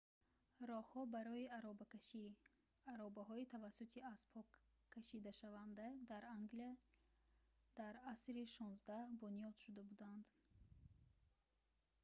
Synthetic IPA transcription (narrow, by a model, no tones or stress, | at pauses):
ɾɔhhɔbaɾɔiaɾɔbakʃi | aɾɔbaɦɔit̪ʰavasut̪ʰiazpʰɔkʰː | aʃid̪aʃavand̪ad̪aɾaŋɡlia | d̪̥aɾasɾiʃɔnzd̪ahbunijɔd̪̥ʃud̪abud̪and̪